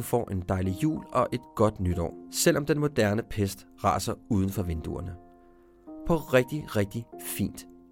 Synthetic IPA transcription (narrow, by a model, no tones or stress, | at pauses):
fɒ̰ːʔe̝nd̥ɑ̈ɪlijṵːlɒ̽ʔe̝d̥ɡ̥ɒ̽d̥nyd̥ɒ̰ːsel̰ɒ̽md̥enmo̝d̥æɐnəpʰesd̥ʁɑ̈ːsɐuːð̞ˠən̩fɒ̽ʋe̝nd̥uɐnə | pʰɒ̽ʁɛɡ̥̚d̥iʁɛɡ̥̚d̥ifḭːnd̥